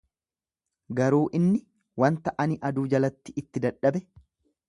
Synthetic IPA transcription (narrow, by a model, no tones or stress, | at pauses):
ɡɐɾuːʔɪnːɪ | wɐnt̪ɐʔɐnɪʔɐd̪uːd͡ʒɐlɐt̪ːɪʔɪt̪ːɪd̪ɐᶑːɐbɛ